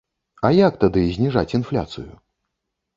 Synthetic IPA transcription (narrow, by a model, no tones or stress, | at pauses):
ɐjak̚t̪ad̪ɨzʲnʲiʐat͡sʲinflʲa̰t̪sɨ̰jṵ